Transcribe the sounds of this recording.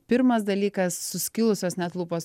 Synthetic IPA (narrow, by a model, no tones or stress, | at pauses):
pʲɪɾmɐsd̪ɐlʲiːkɐsːʊsʲkʲɪlˠʊsʲoːsnʲɛt̪lˠuːpoːs